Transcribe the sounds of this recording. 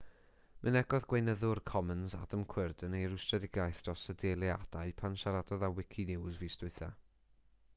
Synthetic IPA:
mʔənɛɡɔðɡwejnəðʊrkʰɔmənza̰dəmkʰw̥ɪrdənejɾʊstrɛdɪɡajθd̥rɔsədelˠiad̥aɨpʰanʃaɾadɔðawɪkʰinɪwzviːstʊɨθa

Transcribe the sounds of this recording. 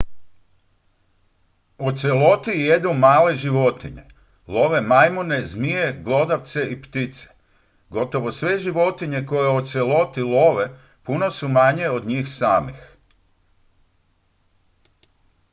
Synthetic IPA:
ot̪selo̞t̪ijed̪numaːle̞ʒiʋo̞t̪iɲe̞̰ | lˠo̞ʋe̞majmone̞zmijeɡlo̞d̪aʋt̪se̞ipt̪it̪se̥ | ɡo̞t̪o̞ʋo̞sʋe̞ʒiʋo̞t̪iɲe̞ko̞jeot̪selˠo̞t̪ilˠoʋe | puno̞sumaɲe̞o̞d̪ɲiːxsaːmix

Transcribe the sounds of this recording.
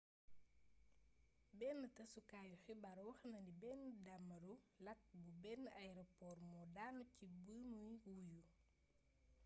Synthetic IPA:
bɛːnːətɐsukaːjuxibɐɾwɐxnɐndibɛnːdɐmːɐɾulɐk̚bubɛnːɐjɾɔpɔːrmɔdaːnucibunujwuju

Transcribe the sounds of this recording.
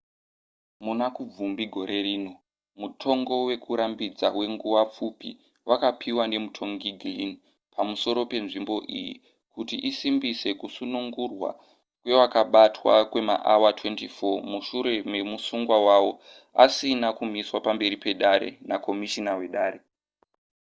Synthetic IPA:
munakub͡vumbiɡʱo̞ɾe̞riːno̞ | mutʰo̞ŋɡo̞we̞kʰuɾambid͡zawe̞ŋɡuʋap͡fupḭ | wʔakapʰiwane̞mutʰo̞ŋɡiɡʱlini | pʰamuso̞ɾo̞pe̞nʐimbo̞ʔḭjḭ | kutiʔisimbise̞kusunuŋɡurwa̰ | kwe̞wakaɓatwa̰kwe̞ma̰ʔawatwe̞ntifo̞muʃuɾe̞me̞musuŋɡwawawo̞ | a̰sinakumiswapambe̞ɾipe̞ɗaɾe̞̰nako̞miʃinawe̞ɗaːɾe

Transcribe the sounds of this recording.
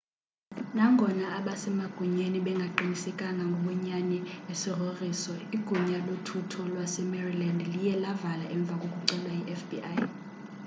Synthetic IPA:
naŋɡʱɔnaːɓasɛmaɡ̥ʱuɲeniɓɛŋɡʱaǃinisɛkʼaŋɡʱaŋɡʱoɓɔɲanɛesiroriːsɔiɡ̥ʱuɲalotʰutʰɔlwasɛmɛrilandlijɛlavalaʔɛɱb̪vʱakʼokʼuǀɛlwaiʔɛfbiaj

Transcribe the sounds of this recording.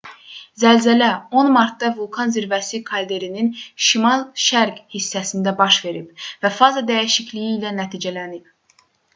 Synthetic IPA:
zælzælæo̞nmɑɾt̪̚d̪ɑvulˠkʰɑnziɾvæsikʰɑld̪e̞ɾininʃimɑlˠʃæɾɡhisːæsind̪æbɑʃve̞ɾib̥væfɑzɑd̪æjiʃicʰlijiːlænæt̪ʰiːd͡ʒælænib̥̚

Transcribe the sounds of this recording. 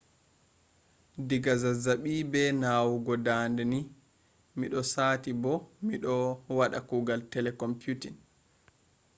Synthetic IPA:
diɡazazaɓiːbɛnawuɡɔdaːndɛni | miɗɔsaːtibɔmiɗɔwaɗa̰kuːɡaltɛlɛkɔmpjutin

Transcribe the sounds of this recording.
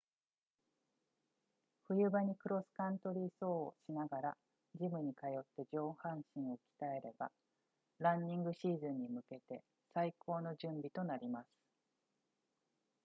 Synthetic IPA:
ɸɯ̟jɯ̟baɲ̟ikɯ̟ɾo̞sɨ̥kãnt̪o̞ɾʲiːso̞ːo̰ɕinaɡaɾa | d͡ʑimɯ̟ɲ̟ikajo̞t̪ːe̞d͡ʑo̞ːhãɰ̃ɕĩɰ̃o̞kʲi̥t̪ae̞ɾe̞ba̰ | ɾãɲːĩŋɡɯ̟ɕiːzɨ̃ɲ̟ːimɯ̟ke̞t̪e̞ | saiko̞ːno̞ʑɨ̃mbʲit̪o̞naɾʲimasɨ̥

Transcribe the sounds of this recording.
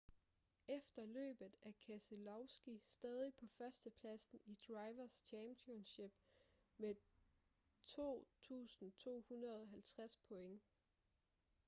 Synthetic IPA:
efd̥ɐlø̰ːb̥ð̩ˠækʰæselɒʊsɡ̥isd̥ɛːð̞ˠipʰɒ̽fɶɐsd̥əpʰlæsn̩id̥ʁɑ̈ɪʋɐst͡ɕʰæmpʰionɕeb̥ | me | t͡sʰo̝̰ːt͡sʰṵːsn̩t͡sʰo̝̰ːhunʁɐð̞ˠɒ̽ɦælt͡sʰʁaspʰɔ̽eŋ

